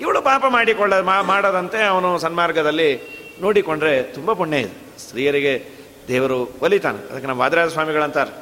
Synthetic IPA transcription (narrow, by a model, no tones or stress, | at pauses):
iʋɐɭupaːpɐmaːɽikɔɭːɐamaːɽoːd̪ɐnt̪e̞ɐʋɐnusɐnmaːɾɡɐd̪ɐlːi | no̞ːɽikoɳɖɾe̞t̪umbɐpuɳːeid̪u | sɾiːjɐɾiɡe̞ | d̪ɛːʋɐɾuʋɐlit̪a̰ːneɐ̰d̪ɐkːnaːʋɐʋaːd̪iɾaːd͡ʒɐsʋaːmiɡɐɭɐnt̪aːɾe